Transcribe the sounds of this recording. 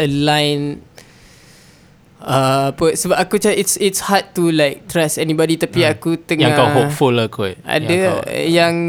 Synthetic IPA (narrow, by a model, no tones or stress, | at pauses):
əlãjn | əapəsəbap̚akut͡ʃaʔitsitshat̚t̪ulajk̚t̪ɾɛsɛnibɔdit̪apiakut̪əŋãŋakawɦok̚fulakaʔa̰dəjaŋ